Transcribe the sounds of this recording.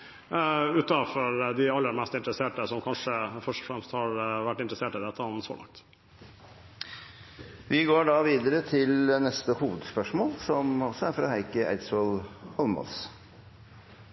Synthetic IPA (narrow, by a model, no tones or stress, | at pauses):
ʉːt̪ɑfɔɾd̪ɪɑlːəɾmɛst̪ɪnt̪ɾəseːʈəsɔmkʰɑnʂəfœʂʈɔ̥fɾɛmst̪hɑɾʋæʈːɪnt̪ɾəseːʈɪd̪ɛt̪ʰːəɔnso̰ːlɑ̰ŋk̚t̪ | ʋɪɡoːɖɑʋiːd̪əɾət̪ʰɪlnɛst̪əhuːʋəd̪spœʂmoːlsɔmɔsɔæɾfɾɑ̰ɦæɪkəʔæ̰ɪsɔlhɔlmɔ̰ls